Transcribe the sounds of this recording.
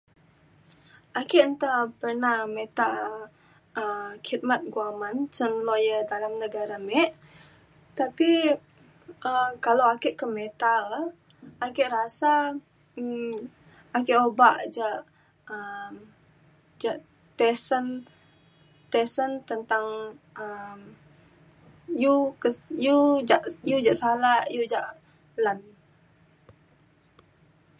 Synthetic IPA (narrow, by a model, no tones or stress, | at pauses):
ʔakɪʔnt̪apərnahmet̪aʔ | əmkit̪̚mat̪̚ɡuamant͡ʃənlɔjədalamnəɡaɾamɛʔ | t̪api | əkalawakɪʔkəmet̪a | akɪʔrasa | akɪʔobaʔd͡ʒaʔ | əm | d͡ʒaʔ | t̪ɛsən | t̪esənt̪ənt̪aŋəm | jukəjud͡ʒaʔjud͡ʒaʔsalaʔjud͡ʒaʔ | lan